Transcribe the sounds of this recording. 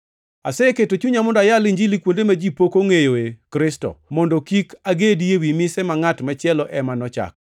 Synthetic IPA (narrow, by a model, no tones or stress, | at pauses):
a̰sɛketot͡ʃuɲamɔndajalɪɲd͡ʒilikwondemad͡ʒipokoŋejoekɾɪstɔ̰mɔndɔkikaɡedjewimɪsɛmaŋatmat͡ʃɪɛlɔʔɛmanɔt͡ʃa̰k̚